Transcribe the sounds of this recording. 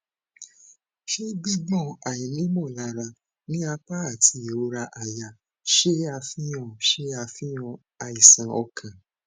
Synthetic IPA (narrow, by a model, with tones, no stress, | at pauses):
ʃe˦ɡ͡bĩ˦ɡ͡bɔ̃˦˨a˨ĩ˨nĩ˨˦mɔ̃˦˨la˧ɾa˧ | nĩ˦a˧k͡pa˦a˦˨tʰi˧˦˨o˨˦ɾa˧ʔa˨ja˨ | ʃe˦a˧fĩ˦j̃ɔ̃˦˨ʃe˦a˧fĩ˦j̃ɔ̃˧ | a˧i˨sã˨ɔ˧kʰã˨